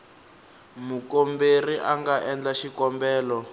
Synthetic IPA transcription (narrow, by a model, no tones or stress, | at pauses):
mukomberiʔaŋɡaʔɛnd͡ɮaʃikɔmbɛːlɔ